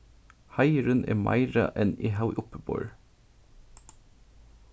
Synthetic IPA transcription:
hɑɪɹʉnʔḛːmʔɑ̰ɪɹɑ̰ʔɛniːhaʊʔʊpəbo̰ːɹ

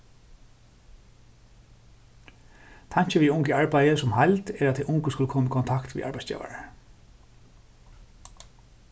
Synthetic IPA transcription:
t̪ʰaɲ̥t͡ʃɪʋiʊŋkəaɹpajəsʊmhajlt̪ɛɹat̪ʰːɛʔʊŋkəskʊləkʰɔːmikʰɔnt̪ʰakt̪vḭʔa̰ɹpajst͡ɕɛ̰ːʋa̰ɹa

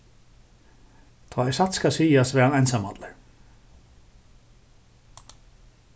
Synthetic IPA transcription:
t̪ʰaːɛsat̪skasiːjast̪vɛːhanajnsamat̪laɹ

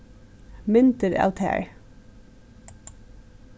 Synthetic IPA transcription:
mʏnt̪əɹæ̰lt̪ʰæ̰ɹ

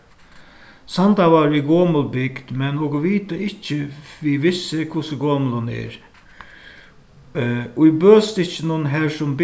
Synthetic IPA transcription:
sand̪ɑʋɑɾiɡoːməlbɪɡd̪̥mɛnːɔɡəʋiːt̪əɪt͡ʃːəʋiʋɪsːəkʰʊsəɡoːmələnɛ̰ɾ | ʊibøːst̪ɪt͡ʃːənuːnɦæːʂɔmb

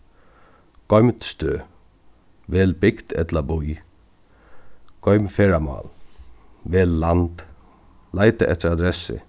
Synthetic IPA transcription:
kɔɥmt̪st̪øː | ʋɛːlbɪkt̪ɛt̪labuj | kɔʏmfɛːɹama̰ːl | ʋeːlːant̪ | lajt̪ɪʔɛ̰t̪ːɪɾad̪ɾɛsɪ̰

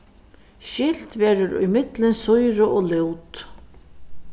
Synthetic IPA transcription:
ʃɪl̥t̪ʋeːɾʊɾʊ̰jmɪt̪lɪnsʊjɾʊʔɔːlɪwt̪

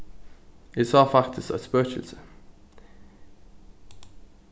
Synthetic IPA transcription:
isɑːfɑkt̪ʰəst̪æt̪spøːçəl̩sə

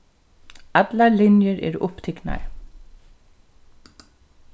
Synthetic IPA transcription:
at̪lalɪnjəɹɛ̰ɾʊ̰pt̪ʰɪkna̰ɹ

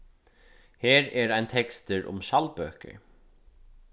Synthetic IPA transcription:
heːɾɛɹajnt̪ʰɛkst̪ɪɹʔʊ̰mʃalpøːkɪ̰ɹ

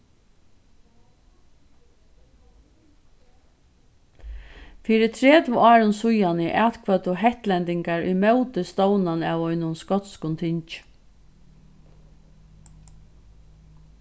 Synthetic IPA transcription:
fiːɾɪt̪ʰɾɛːt̪vɪɑːɾʊnsʊjanɪʔæːt̪kʰvœt̪ʊɦɛht̪lɛnt̪ɪŋkaɹʊ̰jmɛwt̪ɪst̪ɔwnanaːwɔʏnʊnskɔt̪skʊnt̪ʰɪɲt͡ʃ

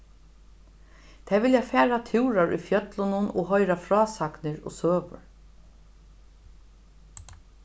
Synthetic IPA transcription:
t̪ʰɛːvɪljafɛːɾat̪ʰuwɾaɹʊ̰jfjœt̪lʊnʊnɔ̰ːɣɦɔjɾafɾɔːsaknɪɾɔ̰ːsøːʋʊ̰ɹ

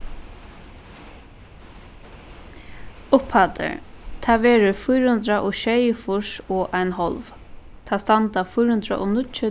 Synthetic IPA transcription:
ʊphat̪ə̰ɹ | t̪ʰaːʋɛːɾʊfʊjɾhʊnd̪ɾaʔɔʃɛjəfʊʂɔʔajnɦɔlv | t̪ʰaːst̪ant̪afʊjɾhʊnd̪ɾa̰ʔɔ̰nʊt͡ʃɪ

